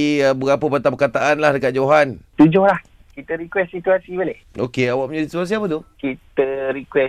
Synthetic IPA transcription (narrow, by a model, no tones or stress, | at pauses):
əbəɡapəpat̪apəkat̪aʔanlahdəkat̪̚d͡ʒoɦant̪ud͡ʒʊhlah | kit̪əɾikwɛssit̪uasibəleho̰keawaʔ̚məɲadit̪sit̪uas̬iapət̪ukit̪əɾikwɛ